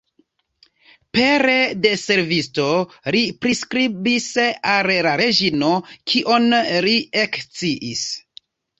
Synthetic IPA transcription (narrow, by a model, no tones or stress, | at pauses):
pe̞ɾe̞de̞se̞ɾvisto̞ | ɾipɾiskɾibisalɾaɾe̞ʒino̞kʰiʔo̞nliekt͡siʔis